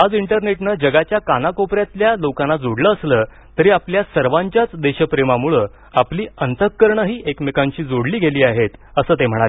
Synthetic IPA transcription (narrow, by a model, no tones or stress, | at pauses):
ad͡ziɳʈəɾneʈnəd͡ʑəɡat͡ɕjakanakopɾjat̪ljalokanːad͡zoɽləːsləː | t̪əɾiːapljasəɾʋãɲt͡ɕjat͡sd̪eɕəpɾemamuɭə | apliːənt̪əkːəɾɳəɦiːʔekmekãɲt͡ɕiːd͡zoɽliːɡʱeliːaɦet̪əsəːt̪em̤əɽ̃ae